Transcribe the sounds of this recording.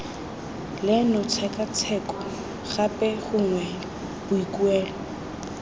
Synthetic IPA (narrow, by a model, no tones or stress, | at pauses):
lɪnʊt͡sʰɛkʼat͡sʰɛkɔ | ɣapʼɛɣʊŋwɛ | b̥ʊikʼuɛːlɔ